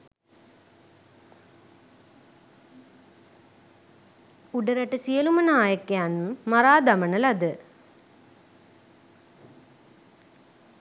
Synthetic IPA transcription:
uɖɐɾɐʈːɐsijɐlumɐnaːjɐkːjaːnumːɐɾaːd̪ɐmɐnɐlɐd̪ɨ

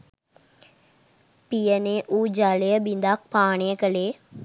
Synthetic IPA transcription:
pijəneːʔuːd͡ʒalejəbind̪ak̚paːɳejəkəleː

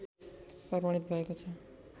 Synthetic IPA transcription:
prʌbaɽ̃it̪bʱʌekot͡sʰʌ

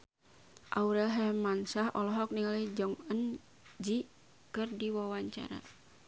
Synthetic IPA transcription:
ʔauɾɛlɦɛmansaɦɔ̰lɔɦɔk̚niŋalid͡ʒɔŋən | d͡ʒi | kɨrdiwawaɲt͡ʃa̰ɾa̰

